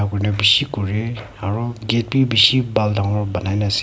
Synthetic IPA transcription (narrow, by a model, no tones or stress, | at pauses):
akɔɹnɛbisikɔɹɛ | aɹuɡet̚bibisibaldaŋɔɹbanajnasi